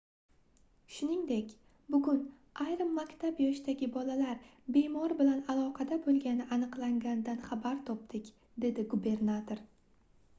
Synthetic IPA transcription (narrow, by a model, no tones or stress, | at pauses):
ʃʊnɪŋd̪e̞kʲ | bʊɡʊn | ʔajɾɪmːakʲt̪ʰabjɒʃt̪aɡʲɪbɒlalaɾbe̞mɒɾbɪlanalˠɒqʰɑd̪abolˠɡʲanɪʔanɨqlˠaŋɡʲand̪anχabaɾt̪ʰɒp̚t̪ɪkʲ | d̪e̞d̪ɪɡube̞ɾnat̪ʰoɾ